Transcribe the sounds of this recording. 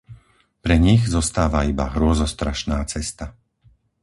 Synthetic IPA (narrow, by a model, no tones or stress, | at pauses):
pɾɛɲiɣzɔst̪aːʋaiba̰ɦɾʊɔzɔst̪ɾaʃnaːt͡sɛst̪a